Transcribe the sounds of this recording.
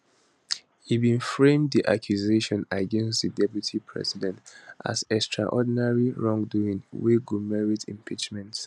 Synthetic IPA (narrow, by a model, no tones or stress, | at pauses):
hibĩnfɹẽmdðiʔa̰kʰjuzeʃɔ̃naɡɛ̃nstðidɛpjutʰipʰɹɛ̰sidɛ̃ntʔa̰zɛkstʰɹa̰ʔɔdnaɹiɹɔ̃ŋduĩŋwiɡumɛɹitḭ̃mpʰit͡ʃmɛ̃nt